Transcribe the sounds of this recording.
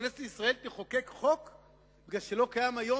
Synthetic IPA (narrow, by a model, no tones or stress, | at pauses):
neselisʁae̞lt̪eχo̞kekχo̞k | biɡlalʃelo̞kajamajo̞